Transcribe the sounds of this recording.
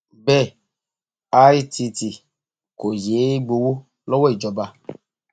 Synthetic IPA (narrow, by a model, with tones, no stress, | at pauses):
bɛ˦˨ | a˦i˦tʰi˧t̪i˨ | ko˨je˨˦ɡ͡bo˨wo˦ | lɔ˦wɔ˦e˨d͡ʒɔ˨ba˦˨